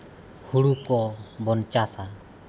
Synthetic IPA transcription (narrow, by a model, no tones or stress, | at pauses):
huɽukɔbɔnt͡ʃasa